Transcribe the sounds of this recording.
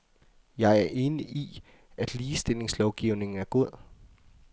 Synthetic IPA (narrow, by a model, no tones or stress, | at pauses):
jɑ̈ɪæɐʔe̝ːniʔi | æd̥liːsd̥e̝le̝ŋslɒʊɡ̥iʊ̰ne̝ŋn̩æɐɡ̥o̝ð̞̰ˠ